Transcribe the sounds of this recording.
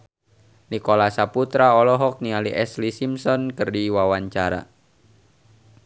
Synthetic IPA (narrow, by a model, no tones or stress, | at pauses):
nikɔlasaput̪ɾaɔlɔɦɔk̚nialiʔɛslisimsɔnkɨrdiwawaɲt͡ʃaɾa̰